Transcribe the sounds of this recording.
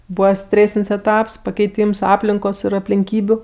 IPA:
ˈbuːʋɐ ˈsʲtʲrʲeːsʲɪnʲsʲ ɛˈtɐps pɐkʲɛɪˈtʲiːms ˈɑːpʲlʲɪŋkoːs ɪr ɐpʲlʲɪŋʲˈkʲiːbʲʊ

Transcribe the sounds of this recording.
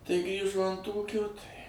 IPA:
tɐɪ ˈɡrʲiːʒoː ɐnt ˈuːkʲoː tɐɪ

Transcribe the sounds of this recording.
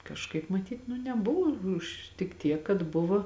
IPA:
kɐʃˈkɐɪp mɐˈtʲiːt nʊ nʲɛˈbʊʋoː ˈʊʃ tʲɪk ˈtʲiɛk kɐt ˈbʊʋoː

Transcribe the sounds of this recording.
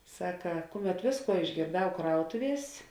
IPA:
ˈsɑːkɐ ˈkʊˌmʲɛt ˈʋʲeːsˌkuɔ ɪʒʲɡʲeːrˈdɐʊ ˈkrɐʊtʊˌʋʲiɛs

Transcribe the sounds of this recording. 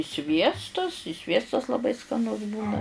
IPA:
ɪ ˈsʲʋʲiɛstʊs ɪ ˈsʲʋʲiɛstɐs lˠɐˈbɐɪ skɐˈnʊs ˈbuːnɐ

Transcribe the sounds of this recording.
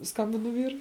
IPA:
ˈskɐmʲbʲɪnʊ ˈʋʲiːrʊɪ

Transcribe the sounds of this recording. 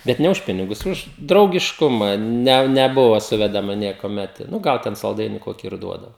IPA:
bʲɛt ˈnʲɛ ʊʃ ˈpʲɪnʲɪɡʊs ˈʊʃ drɐʊɡʲɪʃˈkʊmɐ ˈnʲɛ nʲɛˈbʊʋɐ ˈsʊʋʲɛdɐmɐ nʲiɛkuɔˈmʲɛt nʊ ˈɡɐlˠ tʲɛn sɐlˠˈdɐɪnʲɪ ˈkoːkʲɪ ɪr ˈduɔdɐʋoː

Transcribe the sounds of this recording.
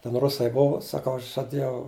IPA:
tʲɛn ˈrʊsɐɪ ˈbʊʋʊ sɐˈkɐʊ ˈɐʃ ʒɐˈdʲeːjɛʊ

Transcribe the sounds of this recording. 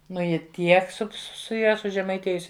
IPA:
ˈnʊ ˈjɪ ˈtʲiɛk sʊ sʊ ˈjɛ sʊʒʲɛmɐɪˈtʲeːjʊsʲɪ

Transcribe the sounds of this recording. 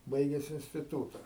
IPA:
ˈbɐɪɡʲɛs ɪnʲsʲtʲɪˈtuːtɐ

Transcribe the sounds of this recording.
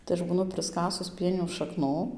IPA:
tɐɪ ˈɐʃ buːˈnʊ prɨsˈkɑːsʊs ˈpʲiɛnʲuː ʃɐˈknuː

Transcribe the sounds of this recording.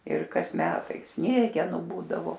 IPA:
ɪr ˈkɐs ˈmʲæːtɐɪ ˈsʲnʲiɛɡʲɛnʊ ˈbuːdɐʋoː

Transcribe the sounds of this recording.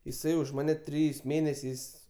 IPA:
jɪˈsɐɪ ʊʃ ˈmɑːnʲɛ ˈtʲrʲɪjɛɪs ˈmʲeːnʲɛsʲɛɪs

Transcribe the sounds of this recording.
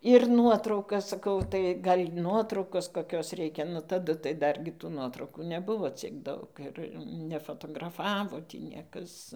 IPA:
ɪr ˈnuɔtrɐʊkɐs sɐˈkɐʊ tɐɪ ˈɡɐlʲ ˈnuɔtrɐʊkoːs koːˈkʲoːs ˈrʲɛɪkʲɛ nʊ tɐˈdʊ tɐɪ ˈdɐrʲɡʲɪ tuː ˈnuɔtrɐʊkuː nʲɛˈbʊʋoː ˈt͡sʲiɛk ˈdɐʊk ɪr nʲɛfoːtoːɡrɐˈfɑːʋoː tʲiː ˈnʲiɛkɐs

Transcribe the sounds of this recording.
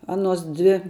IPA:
ˈɑːnuɔs ˈdʲʋʲɪ

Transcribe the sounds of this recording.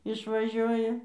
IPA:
ɪʃʋɐˈʒʲuɔjɛ

